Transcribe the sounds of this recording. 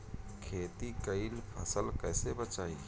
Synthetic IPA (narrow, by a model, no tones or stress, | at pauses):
kʰeːt̪ikəilpʰəsəlkɛːsebət͡ʃaːi